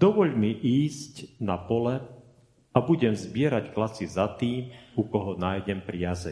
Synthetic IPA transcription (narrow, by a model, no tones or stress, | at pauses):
d̪ɔʋɔʎmiʔiːzcnapɔlɛ | abuɟɛmzbɪɛɾacklat͡sizat̪iːmukɔɦɔnaːjɟɛmpɾiazɛ̰ɲ